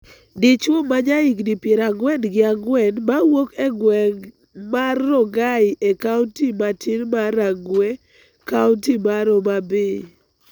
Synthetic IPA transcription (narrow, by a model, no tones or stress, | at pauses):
dɪt͡ʃwomaɲaiɡdipjeɾaɡwɛnɡɪaɡwɛnmawokɛɡwɛŋ | marːɔɡaɪʔekaʊntimatʰinmaɾaɡwe | kaʊntimaɾomabɪ